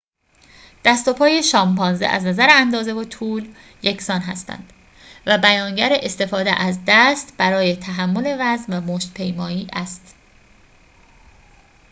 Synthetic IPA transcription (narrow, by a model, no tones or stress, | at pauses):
d̪̥æst̪o̞pʰɒːje̞ʃɒːmbɒːnzḛʔæ̰znæzæɾeænd̪ɒːze̞vot̪ʰuːl | jecʰsɒːnɦæ̰st̪æ̰nd̪̥ | væbæjɒːŋɟæɾeʔest̪e̞fɒːd̪ḛʔæzd̪æst̪b̥æɾɒːjet̪ʰæɦæmːo̞le̞væzmvæmoːʃt̪̚pʰe̞jmɒːiːʔæst̪